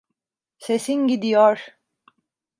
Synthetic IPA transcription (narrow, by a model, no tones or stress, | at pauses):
se̞sinɟid̪ijɔɾ̥